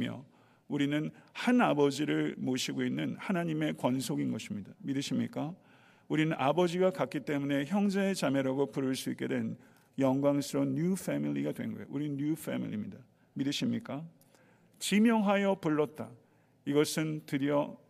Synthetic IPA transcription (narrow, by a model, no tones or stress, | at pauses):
mjʌ̰ | uɾinɯnhanabʌd͡ʑiɾɯɭmoɕʰiɡoinːɯnhanaɲime̞kwʌnsʰoɡinɡʌɕʰimɲidamidɯɕʰimɲḭk͈a | uɾinɯnʔabʌd͡ʑiɡakak͈it͈e̞mune̞çjʌŋd͡ʑe̞ːt͡ɕame̞ɾaɡopuɾɯɭs͈uik͈e̞dwe̞n | jʌŋɡwaŋsʰɯɾoɲufʰemiʎiɡadwe̞̰nnɡʌjo̰uɾiɲjufʰḛmḭʎḭmɲḭda | miɾɯɕʰimɲik͈a | t͡ɕimjʌŋɦajʌpuɭːʌt̚t͈a | iɡʌsʰɯntɯɾiʌ